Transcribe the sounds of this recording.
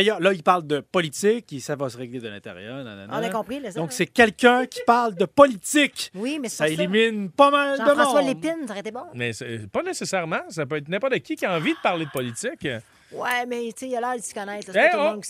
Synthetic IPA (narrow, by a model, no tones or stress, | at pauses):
d̥̪ajœːʁlʌilpaʁld̪əpɔlit̪ɪkisavʌsəʁeɡled̪əlɛ̰̃t̪ḛʁjœːʁna̰na̰nɔ̃nakɔ̃pχilɔ̃ksɛkʲɛlkʲɛ̃kʲʰi̥paʁld̪əpɔlit̪ɪkwimɛsaeliminpʌmald̪əm̃ɔ̃swalepɪnsaʁɛet̪ebɔ̃mɛsepʌnesesɛʁmãsapøɛt̪nɛ̃pɔt̪d̪əkʲikʲjaɑ̃vid̪əpaʁled̪əpɔlit͡s̪ɪk | wɛmɛsejalœːd̪skɔnɛɪt̪ɛo